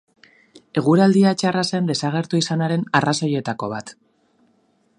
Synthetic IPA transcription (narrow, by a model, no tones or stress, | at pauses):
e̞ɣ̞uɾald̪iat͡ʃarase̞nd̪e̞saɣ̞e̞ɾt̪uisanaɾe̞narasoje̞t̪ako̞β̞at̪